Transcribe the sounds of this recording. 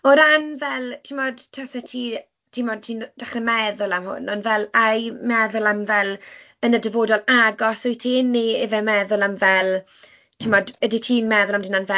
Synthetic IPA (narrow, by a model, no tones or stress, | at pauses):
ɔɾanvɛlˠtʰɪmɔd̥tʰasɛtʰiː | tʰimɔd̚tʰiːnd̥aχrɛmɛðʊlˠamhʊ̰nɔnvɛlajmɛðʊlˠamvɛlˠ | ənədəboːdɔlˠaɡɔsʊjtʰiːnːievɛmɛðʊlˠamvɛlˠ | tʰɪmɔdəditʰiːnmɛðʊlˠamdɪnanvɛ